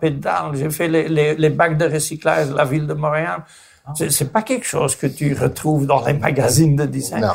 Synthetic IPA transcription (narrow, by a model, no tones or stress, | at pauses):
ped̪a̰lʒefɛlelelebaɡd̪əʁəsikla̰ʒlavild̪əmɔʁeab | sɛsɛpakɛlkʃoːzkət̪yʁət̪χuːvd̪ɑ̃lema̰ɡazind̪əd̪isɛ̰̃